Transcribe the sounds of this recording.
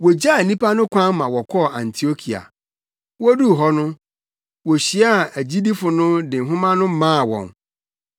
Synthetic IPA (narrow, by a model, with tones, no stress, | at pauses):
wɔ˨d͡ʑa˦˨nĩ˦pʰa˦nʊ̃˦kʷʰã˦nmã˨wɔ˨kʰɔ˦˨ã˨n˨tʰi˨o˦kʰi˨a̰˨ | wɔ˦du˦˨ɦɔ˦nʊ̃˦ | wɔ˨ɕi˨a˦˨æ˨d͡ʑi˦di˦fʊ˨nʊ̃˦dɪ̃˨ŋ̩˨ɦʊ̃˦mã˦nʊ̃˦mãː˦˨wɔ̰̃˨n